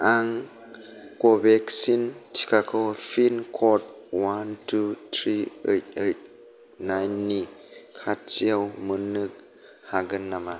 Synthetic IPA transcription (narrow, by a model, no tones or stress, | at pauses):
ʔaŋ | kɔbɛksintʰi̥kakʰɔwfʰinkʰɔt̚wantʰutʰɾḭtejt̚ | najnːikʰat̚t͡siawmɯnɯk̚ | haɡɯnːama